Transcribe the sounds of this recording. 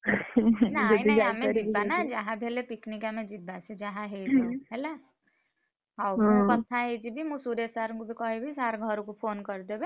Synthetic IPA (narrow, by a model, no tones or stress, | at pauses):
naniamed͡ʒiːanad͡ʒaɦãbʱelepiknikamed͡ʒibased͡ʒaɦãɦed͡ʒiɦela | awmũkət̪ʰːaɦed͡ʒibʱimũsuɾesaɾkobʱikəɦebʱisaɾɡʱəɾukopʰonkəɾd̪ebe